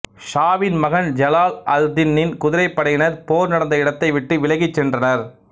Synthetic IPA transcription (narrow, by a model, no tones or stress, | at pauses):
ʂaːʋɪnmɐɣɐnd͡ʒɐlaːlɐld̪ɪnːɪnkʊðɪɾɐɪpːɐɽɐjɪnɐɾpoːɾnɐɽɐnd̪ɐɪɽɐt̪ːɐɪʋɪʈːɯʋɪlɐɣɪt͡ʃːɛndrɐnɐɾ